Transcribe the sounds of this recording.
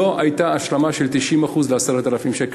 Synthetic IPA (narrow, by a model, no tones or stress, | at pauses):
o̞ʔajt̪aːʃlamaʃe̞lt̪iʃimaχuzleaseʁet̪alafimʃek